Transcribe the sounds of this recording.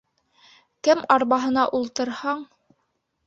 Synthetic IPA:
kɘmɑɾβɑɦɤ̆n̪ɑʔulˠt̪ɤ̆ɾhɑɴ

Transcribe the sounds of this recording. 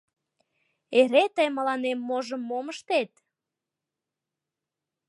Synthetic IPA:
eɾet̪əjməlɑnemːoʒəmːoməʃt̪et̪̚

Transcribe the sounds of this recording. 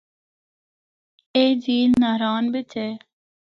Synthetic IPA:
eːd͡ʒiːlnaɾaːnbit̪ʰeː

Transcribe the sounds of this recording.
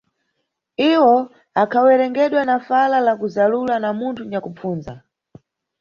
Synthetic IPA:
iwɔ | akʰawɛɾɛŋɡɛɗwanafalalakuzalulanamuntʰuɲakup͡fuːnza

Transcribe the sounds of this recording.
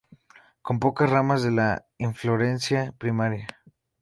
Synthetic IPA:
ko̞mpo̞kasramazðe̞la | iɱfloɾe̞nsjapɾimaɾja

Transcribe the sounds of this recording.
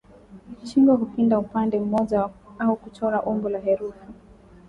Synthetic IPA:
t͡ʃiŋɡwakukindaupandɛm̩mɔʄaaukut͡ʃɔɾaʔɔmbɔlaɦɛɾufi

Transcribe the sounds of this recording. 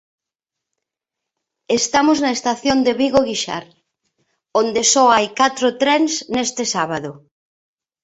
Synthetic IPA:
est̪amoznɐest̪aθjond̪eβiɣoɣiʃa̰ɾ | õnd̪esɔajkat̪ɾot̪ɾɛnsnest̪esaβaðo

